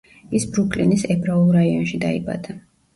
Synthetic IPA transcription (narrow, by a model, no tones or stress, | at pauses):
isbɾukʼlinisɛbʰɾaulˠɾaiɔnʃid̪a̰ḭba̰d̪a